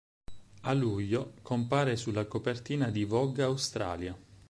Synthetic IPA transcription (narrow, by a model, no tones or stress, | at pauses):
aluʎːokompaːɾesulːakopert̪iːnad̪ivɔɡaawst̪ɾa̰ːlja